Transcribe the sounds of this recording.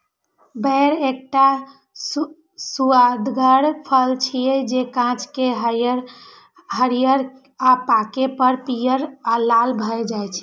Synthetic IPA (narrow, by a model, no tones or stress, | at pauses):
bəɾek̚ʈa | s | suad̪ɡəɽpʰəlt͡ʃʰiɛd͡ʒekãt͡ʃkeɦəjəɾ | ɦəɾijəɾ | apakepəɾpijəɾalalbʱəjd͡ʒajt͡ʃʰɛ̥